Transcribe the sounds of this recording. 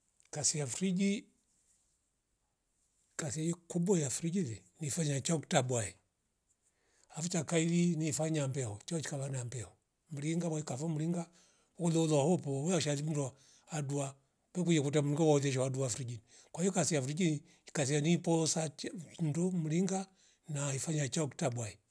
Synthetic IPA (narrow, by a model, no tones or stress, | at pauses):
kasijafɾid͡ʒi | kasiajikubwajafuɾid͡ʒiðɛnifaɲat͡ʃaktabwaɛ | hafut͡ʃakailinifaɲambɛhɔt͡ʃaɔt͡ʃi̥kaβanambɛhɔ | m̩liŋɡawakafɔm̩liŋɡa | ɔkulɛulɔahɔpɔwɛaʃalim̩du | adua | wɛkud͡ʒɛkutam̩iŋɡawauðɛʃ̬ɔwaduafuɾid͡ʒini | kwahijɔkasijafuɾid͡ʒini | kas̬ianipɔsat͡ʃdɔm̩liŋɡa | naifaɲat͡ʃaɔktabwaɛ